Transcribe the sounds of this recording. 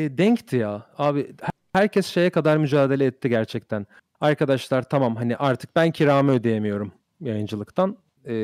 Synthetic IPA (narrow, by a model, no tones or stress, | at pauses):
ɛːd̪ɛɲct̪ʰijaːaːbɪh | hæɾcʰɛsʃe̞jɛkʰad̪aɾmyd͡ʒaːd̪e̞lʲɛːt̪ʰːiɟæɾt͡ʃʰɛc̚t̪ʰæn | aɾkʰad̪aʃlˠaɾt̪ʰamamɦaniʔaɾt̪ʰɯ̥k̚bæncʰiɾaːmɛød̪e̞jemijo̞ɾum | jajɯnd͡ʒɯlˠɯkt̪ʰan | ɛː